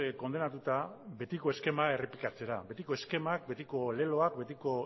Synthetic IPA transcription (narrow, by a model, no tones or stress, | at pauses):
ko̞nd̪e̞nat̪ut̪abe̞t̪iko̞e̞ske̞mae̞ripikat͡se̞ɾabe̞t̪iko̞e̞ske̞mak̚be̞t̪iko̞le̞lo̞akbe̞t̪iko̞